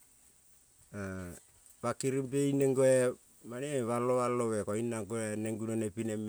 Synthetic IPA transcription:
a | βakiɾimpeineŋɡoe | maneβaloβaloβekoinaɡoeneŋɡunonepinem

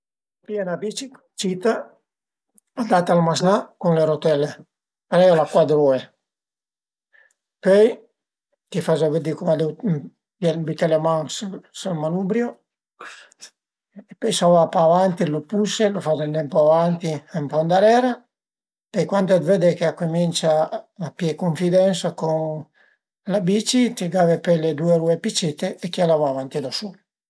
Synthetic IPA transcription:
piɛnad̪it͡ʃik | t͡ʃit̪a | ad̪at̪almaznakunleɾot̪ɛle | peɾɛjolakwad̪ɾue | pøj | k̪ifazaved̪ikomad̪ew | bbit̪elemaŋssalmanubɾjo | epejsavapaːvant̪ilopuselofazent̪ɛmpoavant̪iempɔnd̪aɾɛɾa | pejkwant̪oɛd̪ved̪ekeakːomint͡ʃaːpjɛkoɱfid̪ɛnsakoŋ | labit͡ʃit̪iɡavepeled̪ueɾuepit͡ʃit̪eːkialavaːvant̪id̪asu

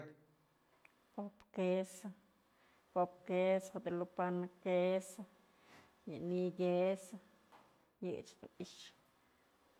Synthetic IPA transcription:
popkesa | kopkesad̪elupanakesa | janiɡesa | jḛt͡ʃd̪ṵiʃ

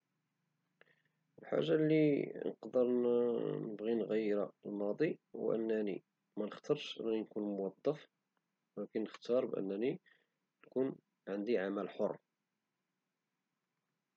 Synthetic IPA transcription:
əlħa̰ʒːalinəqd̪əɾ | nəbɣinɣæjːɾalmɑd̪ˤiwʔə̰nːænḭ | mænəxt̪ɑɾˤʃʔə̰nːæninkunmʊwɑd̪ˤːɑf | wækænːəxt̪ɑɾˤbʔə̰nːæni | nkun | ʕənd̪iʕamælħorˤː

